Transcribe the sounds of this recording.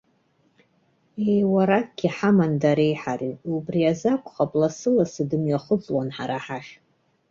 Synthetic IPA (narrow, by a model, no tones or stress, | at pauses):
ejwaɾakʼɡ̥ʲiħamandaɾe̞jħariubriazakʷʼχapʼlasɨlasɨdɨmɥaχʊt͡sʼwanħaɾaħaʃ